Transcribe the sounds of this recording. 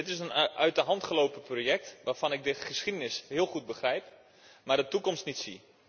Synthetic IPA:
ɪtɪsənʔœɥtəɦɑntχəlowpəproːjɛk̚tʋaːrfɑnɪɡ̚dəχəsχidənɪsɦɪəlˠχud̚bəχrɛjp | maːrdətukɔmstnitsḭ

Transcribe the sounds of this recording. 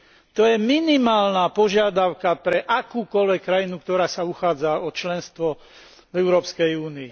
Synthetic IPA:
t̪ɔjɛminimaːlnaːpɔʒɪad̪aʊkapɾɛʔakuːkɔlʋɛkːɾajinukt̪ɔɾaːsauxaːd͡zaɔt͡ʃlɛnst̪ʋɔ | vɛʊɾɔːpskɛjuːnii

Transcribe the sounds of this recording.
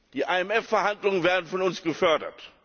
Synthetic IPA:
d̥iːʔaɛmɛfɛɐhandlʊŋənveːɐdn̩fɔnʊnsɡ̥əfœɐdɐ̰t

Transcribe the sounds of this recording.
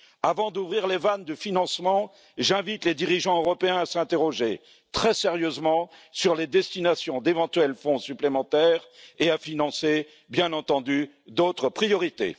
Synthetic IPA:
avɑ̃d̪uvʁiʁlevand̪əfinɑ̃smɑ̃ | ʒɛ̃vit̪led̪iʁiʒɑ̃øʁɔpeɛ̃asɛ̃t̪eʁɔʒe | t̪χɛseʁjøzmɑ̃syʁled̪ɛst̪inasjɔ̃d̪evɑ̃t̪ɥɛlfɔ̃syplemɑ̃t̪ɛːʁeafinɑ̃se | bjɛ̃nɑ̃t̪ɑ̃d̪y | d̪ot̪χəpχijɔʁit̪ḛ

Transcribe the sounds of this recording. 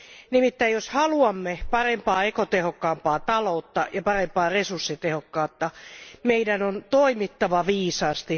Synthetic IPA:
nimit̪ːæijoshɑluɑmːepɑrempɑːekot̪ehokːɑːmpɑːt̪ɑloːt̪ːɑjɑpɑrempɑːresursːit̪ehokːɑːt̪ːɑmeidænont̪oimit̪ːɑʋɑʋiːsɑːst̪i

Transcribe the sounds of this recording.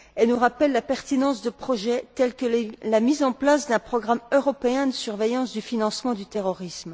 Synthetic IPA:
ɛlnuʁapɛlːapɛʁt̪inɑ̃sd̪əpχɔʒɛt̪ɛlkəlamizɑ̃plasd̪ɛ̃pχɔɡʁamøʁɔpeɛ̃d̪əsyʁvejɑ̃sd̪yfinɑ̃smɑ̃d̪yt̪eʁɔʁism

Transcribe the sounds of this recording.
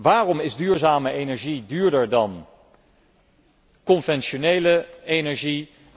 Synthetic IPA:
ʋaːrɔmɪzdyːɹzaːməʔejnɛɹʒidyːɹdəɹdɑn | kɔnvɛnʃonejləejnɛɹʒi

